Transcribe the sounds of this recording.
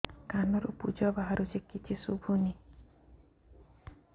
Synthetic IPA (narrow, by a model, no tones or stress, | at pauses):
kanɔɾupṵd͡ʒɔbaɦaɾud͡ʒekit͡ʃʰisubʱuni